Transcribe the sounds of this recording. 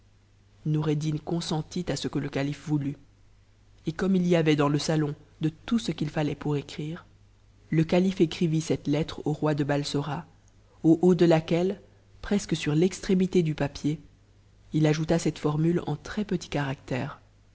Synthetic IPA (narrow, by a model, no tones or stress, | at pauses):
nɔʁed̪inkɔ̃sɑ̃t̪it̪asəkələkalifvuly | ekɔmiliavɛd̪ɑ̃ləsalɔ̃d̪ət̪usəkʲilfalɛpuʁekχiːʁ | ləkalifekχivisɛt̪lɛt̪χoʁwad̪əbalsɔʁa | oʔod̪əlakʲɛl | pχɛskəsyʁlɛkst̪χemit̪ed̪ypapje | ilaʒut̪asɛt̪fɔʁmylɑ̰̃t̪χɛpət̪i̥kaʁak̚t̪ɛːʁ